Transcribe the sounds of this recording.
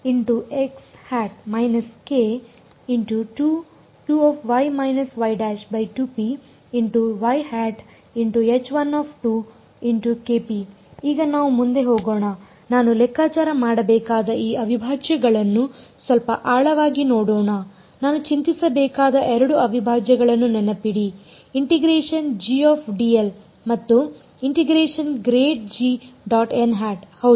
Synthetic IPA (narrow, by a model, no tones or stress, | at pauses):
iɳʈuekshæːʈ̚mɐjnɐske | iɳʈuʈu | ʈuɔːpʰʋɐjmɐjnɐsʋɐjɖæːʃbɐjʈuːpiː | ɳʈuʋɐjhæːʈ | iɳʈuet͡ʃʋɐnɔːpʰʈu | iɳʈukeːpi | iːɡɐnaːʋumund̪e̞ɦoːɡoːɳɐ | naːnulɛkʰːaːt͡ʃaːɾɐmaːɽɐbɛːkaːd̪ɐiːɐʋibʱaːd͡ʒɐɡɐɭɐnːusʋɐlpɐ̰ʔaːɭɐʋaːɡinoːɽoːɳɐ | naːnut͡ʃint̪isɐbɛːkaːd̪ɐʔɛɾɐɽuɐʋibʱaːd͡ʒɐɡɐɭɐnːunɛnɐpiɽiː | ɳʈiɡɾeːʂɐnd͡ʒiaːpʰɖiːel | mɐt̪ːu | iɳʈiɡɾeːʂɐnɡɾeːʈ̚d͡ʒiɖaːʈenɦaːʈhɐwd̪